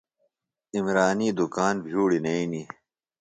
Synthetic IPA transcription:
imɾaːniːd̪ukaːnbʱjuːɽinɐini

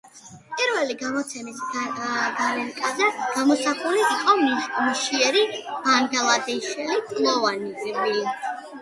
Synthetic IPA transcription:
pʼiɾvɛliɡamɔt̪sʰɛmis | ɡalɛnkʼazɛɡ̥amɔsaχuliːqʼɔmmuʃiɛɾimaŋɡɛlˠad̪iʃɛliɡʼlˠɔvanivi

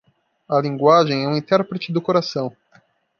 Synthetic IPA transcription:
ɐlĩŋɡwaʒẽj̃ɛũĩnt̪ɛɾpɾɪt͡ʃɪd̪ʊkoɾasɐ̃w̃

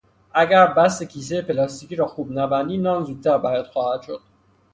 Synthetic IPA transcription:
æɡæɾbæs̬ekʰiːs̬eepelɒst̪ikiɾɒːxuːbnæbænd̪inɒːnzut̪ʰːæɾbæɾæd̪̥xɒːhæt̪ʃod̪̥̚

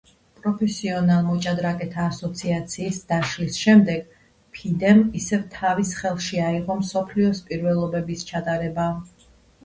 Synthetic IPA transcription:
pʼɾɔpʰɛsiɔnalˠɔt͡ʃʼad̪ɾakʼɛt̪ʰaːsɔt̪sʰiat̪sʰiːsd̪̥aʃlisʃɛmd̪ɛɡ̥ | pʰid̪ɛmisɛvt̪ʰavisχɛlˠʃiaiʁɔmsɔpʰliɔspʼiɾvɛlˠɔbɛbist͡ʃʰat̪ʼaɾɛba

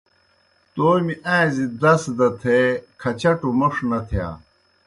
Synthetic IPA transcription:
t̪oːmiʔãezid̪ɐsd̪ɐt̪ʰekʰɐt͡ɕɐʈumɐʂnɐt̪ʰja̰ː

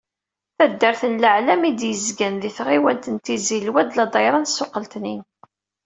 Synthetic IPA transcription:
θæd̪ːəɾθənləʕlæmid̪jəzɡænðiθʁiwænt̪ənt̪izilwæd̪lɑd̪ˤɑjɾˤɑnsːʊqːəlt̪nin

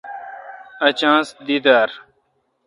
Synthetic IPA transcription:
ɐt͡ɕãːsd̪id̪aɾ

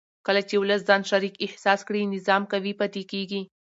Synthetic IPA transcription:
kəlat͡ʃewʊləs̬zɑnʃaɾikɪhsɑskɽinɪzɑmkawipat̪ekeɡi

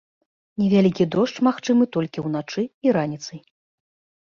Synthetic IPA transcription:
nʲɛvʲalʲikʲid̪ɔʂt͡ʂmaxt͡ʂɨmɨt̪ɔlʲkʲiwnat͡ʂɨiɾanʲit̪sɐj

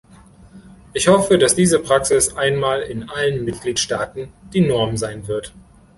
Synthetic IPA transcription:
ʔɪçhɔfədasd̥iːzəpʁ̥aksɪsʔaɪnmaːlɪnʔalənmɪt̚ɡ̥liːtʃtaːtn̩d̥iːnɔɐmzaɪnvɪɐt

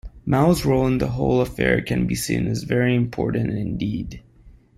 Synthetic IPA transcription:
maʊzɹoʊlˠə̃nðə̰ɦoʊlˠəfɛ̰ɹkʰɨ̃nbḭsḭ̃nɨzvɛɹiɨ̃mpʰɔ̰ɹʔn̩tɪ̃ndid̥

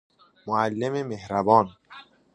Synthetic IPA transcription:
moælːememehɾæbɒːn

